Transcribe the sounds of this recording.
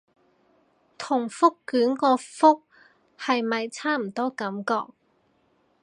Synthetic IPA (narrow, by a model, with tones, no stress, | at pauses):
t̪ʰʊ˨˩ŋfʊ˥kːyː˨˥nkɔː˧fʊ˥k̚ | hɐ˨jmɐ˨jt͡sʰaː˥m̩˨˩t̪ɔː˥kɐ˨˥mkɔ̰ː˧k̚